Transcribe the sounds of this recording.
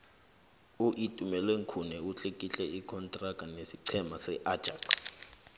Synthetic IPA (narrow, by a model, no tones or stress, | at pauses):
uʔitʼumɛlweŋkʰunɛuɬekʼiɬɛikʰɔntʼrakʼanesiǀʰɛmasɛʔḁd͡ʒaks